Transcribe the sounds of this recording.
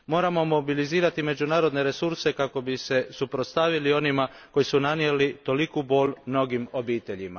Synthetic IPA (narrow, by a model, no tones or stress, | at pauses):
mo̞ːɾamo̞mo̞biliziːɾat̪ime̞d͡ʒunaːɾo̞d̪ne̞ɾe̞suɾse̞kako̞bise̞supɾot̪st̪aʋilio̞nima | ko̞jisunanijelit̪o̞likubo̞ːlʲmno̞ɡimo̞biːt̪e̞ʎima̰